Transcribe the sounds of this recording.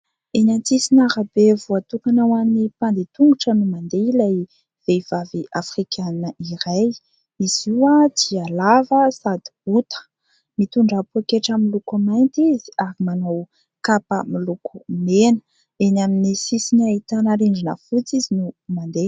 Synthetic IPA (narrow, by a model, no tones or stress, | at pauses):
enant͡sisinaɾabevuat̪ukanawamnipand̪et̪uŋɡuʈ͡ʂənumand̪eilaj | v̥ev̥aviʔafrikʲʰannəʔiɾaj | iz̥iwat͡sialavəsad̪i̥but̪ə̥ | mit̪uɳɖ͡ʐapuakeʈ͡ʂamilukamajnt̪izi̥aɾimanaw | kapə̰milukumenə̥ | enaminisisinait̪anaɾeɳɖ͡ʐinə̰fut͡sizinumand̪e